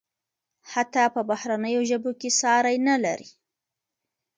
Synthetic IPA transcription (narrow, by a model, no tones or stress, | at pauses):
hat̪ɑpəbahɾanəjoʒəbokesɑɾajnala̰ɾi